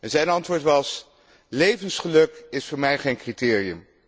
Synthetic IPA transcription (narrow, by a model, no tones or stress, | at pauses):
ɛnzɛjnɑntʋʊːɹtʋɑs | lejvənsχəlɵkɪsfʊːɹmɛjχejnkritɪːrijəm